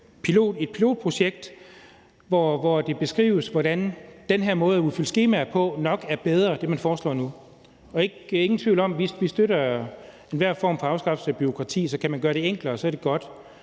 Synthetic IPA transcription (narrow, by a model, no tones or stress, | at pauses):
pʰilo̝̰ːd̥e̝d̥̚pʰilo̝ːd̥̚pʰʁo̝ɕeɡ̥̚d̥ | ʋɒʋɒd̥e̝b̥e̝sɡ̥ʁḭːʊəsʋɒɾ̥ænd̥enɦæɐmɔ̽ːð̩ˠæuðˠfyl̰sɡ̥e̝ːmæpʰɒ̽nɒ̽ɡ̥æɐb̥eð̞ˠʁɐd̥e̝mænfɒːslɒ̰ːnu | ɒ̽e̝ɡ̥e̝ŋn̩t͡sʰʋḭʊlɒ̽m̰ʋisʋisd̥øɾɐ | enʋæɐ̰fɒ̰ːmfɒ̽ɑ̈ʊsɡ̥ɑ̈fseb̥yo̝kʰʁɑ̈t͡sʰḭːsɒ̽kʰæmænɡ̥ɶːɐɾe̝eŋ̰ɡ̥lɐːsɒ̽æɐɾ̥e̝ɡ̥ɒ̽d̥